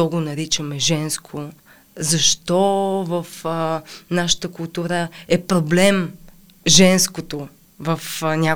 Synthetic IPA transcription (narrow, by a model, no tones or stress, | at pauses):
ɔɡonɐɾit͡ʃəmɛʒɛnskʰo | zɐʃt̪ɔvɐf | naʃə̥t̪əkʊlˠt̪uɾəɛpɾoblɛm | ʒɛnskot̪o | vəfnʲa